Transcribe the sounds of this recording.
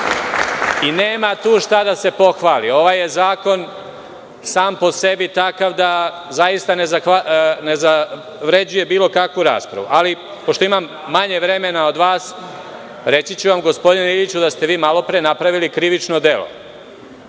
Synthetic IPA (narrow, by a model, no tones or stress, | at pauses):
ineːmat̪uːʃt̪ad̪ase̞po̞xʋaːlio̞ʋaje̞zaːko̞n | saːmpo̞se̞bit̪akaʋd̪a | zajist̪anezaxaneza | ʋɾe̞d͡ʑuje̞biːlo̞kakʋuɾa̰ːspɾa̰ʋṵʔali | po̞ʃt̪o̞imamːaɲe̞ʋɾe̞me̞nao̞d̪ʋaːs | ɾe̞t͡sit͡ɕuʋamɡo̞spod̪ineiʎit͡ɕud̪ast̪e̞ʋiːmalo̞pɾenapɾaʋilikɾiʋit͡ʃno̞d̪e̞lo̰